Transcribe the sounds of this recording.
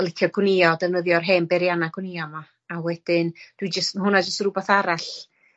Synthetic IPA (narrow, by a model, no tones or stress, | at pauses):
lˠɪkʰjɔɡwnɪɔdɛvnəðjɔrɦeːmbɛɾjanaɡwnɪɔma | awɛd̥ɪnd̥wid͡ʒəstmɦʊnad͡ʒəstɾubaθaɾaɬ